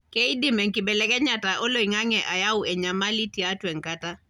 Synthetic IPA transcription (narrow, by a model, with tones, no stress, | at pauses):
kɛ˦i˦dɪ˦mɛ˨ŋki˨bɛ˨lɛkɛ˦ɲa˨ta˨ʔo˦lo˦˨i˨ŋa˦ŋɛ˨ʔa˨ja˦wɛ˨ɲa˨ma˦li˦tia˦twɛ˨ŋkata˦